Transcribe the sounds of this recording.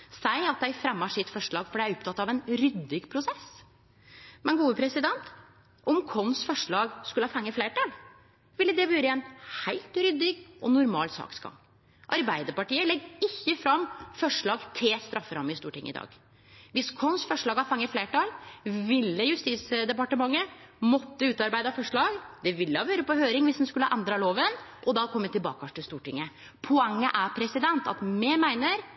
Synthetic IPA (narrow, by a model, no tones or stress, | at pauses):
sæɪɑt̪̚d̪æɪfɾɛmːəʂɪt̪fɔʂɭɑːɡfɔɖæɪæɾʊp̚t̪ʰɑt̪ːɑʋɛnɾʏd̪ːɪɡpʰɾʊsɛs | mɛnɡuːəpʰɾɛsɪd̪ɛnt̪ | ʔɔmkʰɔnsfɔʂɭɑːɡskʉləhɑːfɑŋːəfleːʈɑːl | ʋɪlːəd̪ɛbʉːɾəɛnhæɪlt̪ɾʏd̪ɪɡʔɔnʊɾmɑ̰ːlsɑ̰ːksɡɑ̰ŋ | ʔɑɾbæɪd̪əɾpɑʈiːəlɛɡɪçːəfɾɑmfɔʂɭɑːɡt̪ʰɪlst̪ɾɑfːəɾɑmːɪst̪uːʈɪŋːəɪd̪ɑ̰ːɡ | ʋɪskʰɔnsfɔʂɭɑːɡhɑfɑŋːəfleːʈɑlʋɪlːəjʉst̪iːsd̪ɛpɑʈəmɑŋːə | mɔt̪ːəʉːt̪ɑɾbæɪd̪ɑfɔʂɭɑːɡd̪ɛʋɪlːəhɑʋøːɾəpɔhøːɾɪŋʋɪsd̪ɛnskʉləəʔɛnd̪ɾɑloːʋənʔɔd̪ɑːkʰɔmːət̪ʰːɪlbɑ̰ːkɑʈ̪ɪlst̪uːʈɪŋːə | pʰɔɛŋːəʔæpʰɾɛsɪd̪ɛnt̪ɑ̰t̪mɛmæɪnəɾ